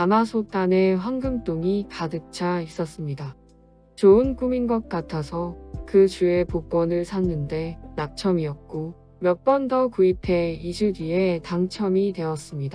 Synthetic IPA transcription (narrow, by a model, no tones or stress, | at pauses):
amasʰot͈ane̞ɸwaŋɡɯmt͈oŋikadɯk̚t͡ɕʰais͈ʌs͈ɯmɲida | t͡ɕoɯnk͈uminɡʌk̚k͈atʰasʰʌkɯt͡ɕue̞pok͈ʌnɯɭsʰanːɯnde̞nak̚t͡ɕʰʌmiʌk̚k͈o | mjʌk̚p͈ʌndʌkuipʰe̞id͡ʑudietaŋt͡ɕʰʌmidwe̞ʌs͈ɯmɲida